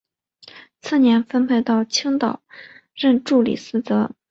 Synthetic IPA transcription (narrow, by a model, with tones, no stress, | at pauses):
t͡s̩ʰ˥˩njɛ˧˥nfə˥npʰe˥˧ɪt̪ɑ˥˩ʊt͡ɕʰi˥ŋt̪ɑ˨˩˦ʊɻə˥˧nʈ͡ʂu˥˩lḭ˨˩sɹ̩˥t͡sɤ˧˥